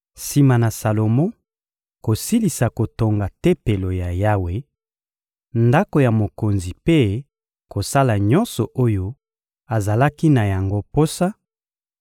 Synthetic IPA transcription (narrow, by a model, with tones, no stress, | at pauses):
si˨ma˨na˨sa˨lo˨mɔ̃˦ | ko˨si˦li˨sa˨ko˨to˨ŋɡa˨te˦pe˨lo˨ja˨ja˦we˨ | nda˦ko˨ja˨mo˨ko˨nzi˨pe˦ | ko˨sa˦la˨ɲɔ̃˦nsɔ˨ʔo˦jo˦ | a˨za˨la˦ki˦na˨ja˨ŋɡo˦po˦sa˦